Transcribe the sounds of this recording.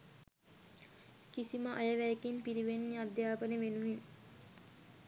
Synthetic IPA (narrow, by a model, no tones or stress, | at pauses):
kisiməʔajəʋæjkinpiɾiʋenːiad̪jaːpəneʋenuʋin